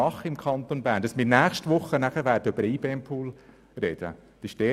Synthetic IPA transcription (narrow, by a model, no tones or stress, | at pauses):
ɑχɪmkʰɑnt̪onbæːɾnd̥ɑsmɪːnæːχʃtʋʊχːənæχəɾʋæːɾdəʏb̥əɾiːb̥eːɛmpʰuːl | rɛd̥ə | d̥ɪʃdɛ